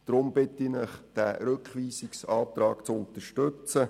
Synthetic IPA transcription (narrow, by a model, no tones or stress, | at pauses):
d̥ɾʊmbɪtɪnɪχd̥æɾøkχʋiːsɪksɑːtrɾɑːkt͡sʊnt̪əʃtøt͡sə